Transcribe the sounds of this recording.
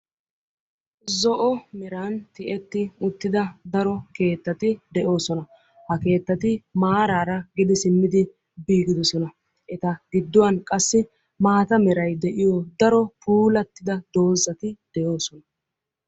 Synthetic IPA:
zɔʔɔmɛɾaːnt̪ɪʔɛt̪ːɪʊt̪ːɪd̪ɐd̪ɐɾɔke̞ːt̪ːɐt̪ɪd̪ɛʔo̞ːsɔnɐ | hɐke̞ːt̪ːɐt̪ɪmaːɾaːɾɐɡɪd̪ɪsɪmːɪd̪ɪ | biːɡɪd̪ɔsɔnɐ | ʔɛt̪ɐɡɪd̪ːʊwɐnkʼɐsːɪ | maːt̪ɐmɛɾɐjd̪ɛʔɪjɔd̪ɐɾɔpuːlɐt̪ːɪd̪ɐd̪o̞ːzːɐt̪ɪd̪̥ɛjo̞ːsɔnɐ

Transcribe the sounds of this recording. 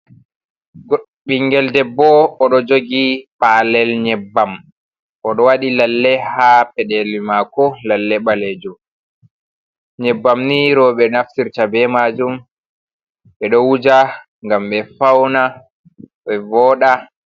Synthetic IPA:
ɓiŋɡɛldɛbːɔːɗɔd͡ʒoɡipalɛlɲɛbːam | ʔɔɗɔwaɗilalːɛhapɛɗɛlimakɔlalːɛɓaled͡ʒu | ɲɛbːamniɾɔɓɛnaftiɾtabɛmad͡ʒum | ɓɛɗɔwud͡ʒa | ŋɡamɓɛfawna | ɓɛvɔːɗa

